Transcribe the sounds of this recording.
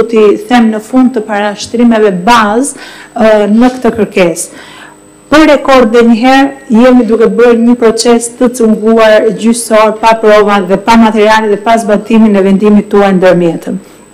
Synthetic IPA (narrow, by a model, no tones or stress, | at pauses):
t̪iθɛmnəfund̪̚t̪əpaɾaʃt̪ɾimɛvɛbaz | nəkt̪əkəɾkɛs | pəɾɾɛkɔɾd̪ɛɲəɦɛɾjɛmid̪ukɛbəɾɲəpɾɔt͡sɛst̪ət͡səŋɡuaɾd͡ʑysɔɾpapɾɔvaðɛpamat̪ɛɾialɛðɛpazbat̪iminɛvɛnd̪imit̪ːuajnd̪əɾmjɛt̪ən